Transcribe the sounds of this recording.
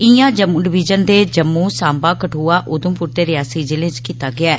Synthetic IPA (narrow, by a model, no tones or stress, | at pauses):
ɪjãːd͡ʒəmuːɖɪʋɪd͡ʒənd̪eːd͡ʒəmːũːsãːmbaːkəʈʰuːaːʔʊd̪ə̃mpʊɾt̪eːɾɪjaːsiːd͡ʒɪlẽːt͡ʃkiːt̪aːɡɪaː